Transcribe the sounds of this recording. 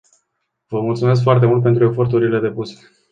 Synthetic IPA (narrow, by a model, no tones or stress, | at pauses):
vəmult̪sume̞s̬kfoart̪e̞mult̪̚pe̞nt̪ɾue̞fo̞rt̪uɾile̞d̪e̞puse̥